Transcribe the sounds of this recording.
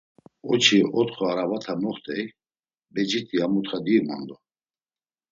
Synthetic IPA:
ɔt͡ʃʰiɔt̪χɔaɾavat̪ʰamɔχt̪ʰʼɛj | bɛd͡ʒit̪ʰʼiamut̪χad̪ima̰nd̪ɔ

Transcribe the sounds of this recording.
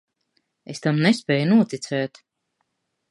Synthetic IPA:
est̪amnɛspʲɛːjunuɔt̪it̪sɛːt̪

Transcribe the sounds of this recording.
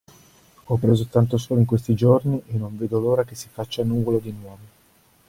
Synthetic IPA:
ɔpːɾeːzot̪ant̪osoːloiŋkwest̪id͡ʒorniʔenːoɱveːd̪oloːɾakesːifat͡ʃːanuːvolod̪inwɔːvo

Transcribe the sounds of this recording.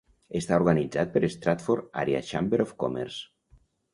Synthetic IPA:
est̪aoɾɣanid͡zat̪̚peɾest̪ɾat̪foɾa̰ɾja̰ʃambeɾofko̰mḛɾs

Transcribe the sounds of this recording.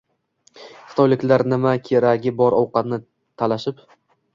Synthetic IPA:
χɨ̥t̪ʰɒjlɪkʲlaɾnɪmakʲʰeɾaɡʲɪbɒɾɒwqɑt̪nɪ | t̪ʰalaʃɪp

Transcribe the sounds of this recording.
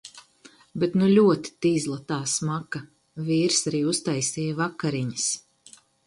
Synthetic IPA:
bet̪nulʲuɔt̪i̥t̪iːzlˠat̪aːsmaka | viːɾsaɾiːust̪ajsʲɛːjavakːaɾiɲəs

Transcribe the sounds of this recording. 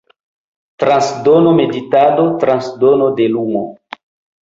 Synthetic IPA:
tɾansdonome̞ditadotɾansdonodelumo̰

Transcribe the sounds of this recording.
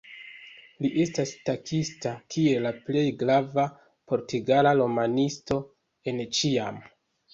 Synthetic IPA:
liʔe̞stastakʰistakʰie̞laple̞jɡɾava | pʰo̞ɾtiɡalalo̞manisto̞ | e̞nt͡ʃia̰m

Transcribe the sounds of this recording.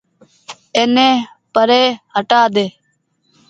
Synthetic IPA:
eːnẽː | pəɾeːɦəʈaːd̪eː

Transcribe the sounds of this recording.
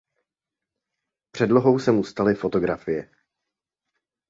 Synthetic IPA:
pr̝̥ɛdlo̞ɦo̞wsɛmust̪alɪfo̞t̪o̞ɡɾafɪjɛ

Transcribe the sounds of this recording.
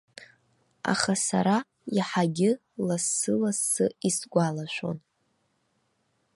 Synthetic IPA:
a̰χasa̰ɾa | iħaɡʲɪ | lasːɨlasːɨisɡʷalaʃʷo̞̰n

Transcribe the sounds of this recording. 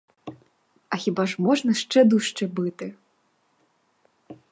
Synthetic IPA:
ɐxʲibaʐmɔʐnɐʂt͡ʂɛd̪uʂt͡ʂɨbɨt̪ɨ

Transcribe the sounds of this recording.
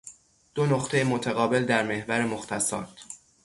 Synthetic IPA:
d̪̥o̞noχt̪ʰe̞jemot̪ʰæɣɒːbe̞ld̪æɾme̞hvæɾemoxt̪ʰæsɒ̰ːd̪̥

